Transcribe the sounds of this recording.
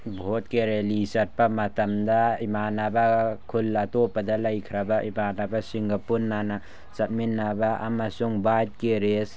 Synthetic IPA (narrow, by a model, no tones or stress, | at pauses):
bʱot̚keɾelisɐt̚pamɐtɐmdaimanabakʰulːatopadalɐjkʰɾabaʔimanabasiŋɡapunːana | sɐt̚minːabaʔa̰masuŋbat̚keɾes